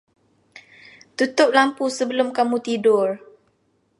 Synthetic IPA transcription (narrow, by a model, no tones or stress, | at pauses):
t̪ut̪ʊp̚lampusəbəlʊmkamut̪idʊr